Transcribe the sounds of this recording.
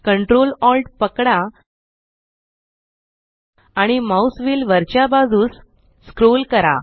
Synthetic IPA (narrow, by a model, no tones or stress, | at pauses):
kəɳʈɾolɔlɖpəkɽa | aɽ̃imausʋiːlʋəɾt͡ɕjabad͡zuːsː | kɾolkəɾa̰